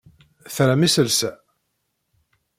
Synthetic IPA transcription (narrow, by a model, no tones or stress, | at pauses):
θɾæmisəlsæ